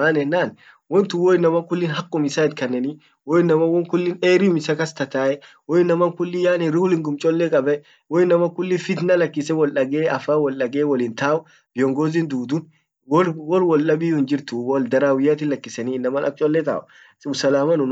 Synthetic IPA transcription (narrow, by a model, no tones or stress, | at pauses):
maːnɛnːaːn | wɔnt̪ʊwɔɪnːɐmɐkʊlːɪnɦɐkʼːʊmɪsaːɪt̪̚kɐnːɛni | wɔɪnːɐmɐwɔŋkʊlːɪneːɾɪʊmɪsɐkɐst̪ɐt̪aːʔɛ | wɔɪnːɐmɐŋkʊlːɪjaːnɪɾɪʊlɪŋɡʊmt͡ʃʼɔlːɛkʼɐbɛ | wɔɪnːɐmɐkʊlːɪfɪt̪nɐlɐkːɪsɛwɔlʔɐɡeːɐfaːwɔlᶑɐɡeːwɔlɪnt̪aːʊ | b̥ɪjɔŋɡoːzɪnd̪uːd̪ʊn | wɔwɔrwɔlːɐbɪjʊhɪnd͡ʒɪɾt̪ʊwɔld̪ɐɾaːwɪjaːt̪ɪlɐkːɪsɐniːɪnːɐmɐlʔɐ̰t͡ʃʼɔlːɛt̪a̰ːʊ | ssɐlaːmɐnʊn